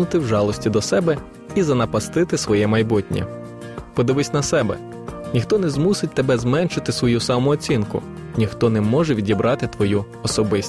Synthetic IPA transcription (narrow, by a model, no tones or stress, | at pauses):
ʊt̪ɪwʒɑlˠɔsʲtʲid̪ɔsɛbɛ | izɐnɐpɐst̪ɪt̪ɪsʋɔjɛmɐjbutʲnʲḭ | pɔd̪ɪʋɪsʲnɐsɛbɛ̰ | nʲixt̪ɔnɛzmusɪt̚ʲt̪ebɛzmɛnʃɪt̪ɪsʋɔjusɑmɔːt͡sʲinkʊ̰ | nʲixt̪ɔnɛmɔʒɛʋʲidʲibɾʔɑt̪ɪt̪ʋɔju | ɔsɔbɪsʲ